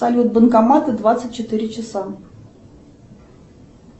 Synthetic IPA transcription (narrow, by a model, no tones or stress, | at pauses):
ɐlʲut̪̚bənkɐmat̪ɨd̪vat̪sɨt̚ʲt͡ɕːɪt̪ɨɾʲɪt͡ɕɪsa